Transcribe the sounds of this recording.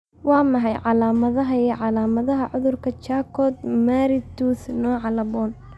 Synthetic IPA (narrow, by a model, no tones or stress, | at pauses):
wɑːmɑħɑjʕɑlaːmɐðɐɦɐiʕɑlaːmɐðɐɦɐʕʊðʊrkʰɐt͡ʃaːkʰɔːd̪maːɾɪt̪uːsnɔːʕɑlɐbɔːn